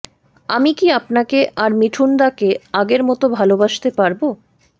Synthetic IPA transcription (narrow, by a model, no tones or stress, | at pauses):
amikiapnakeʔaɾmiʈʰund̪akeaɡeɾmɔt̪obʱalobaʃt̪epaɾbo